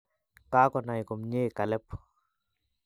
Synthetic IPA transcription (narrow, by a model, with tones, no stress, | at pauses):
ka˦kɔ˨na˨jkɔ˨mɲe˦ka˨lɛ˦pː